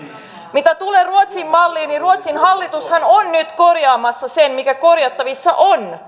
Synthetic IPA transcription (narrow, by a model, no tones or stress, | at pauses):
mit̪æt̪uleːruot̪simːɑlːiːniruot̪sinhɑlːit̪ushɑnonnyt̪korjɑːmɑsːɑsenmikækorjɑt̪ːɑʋisːɑʔon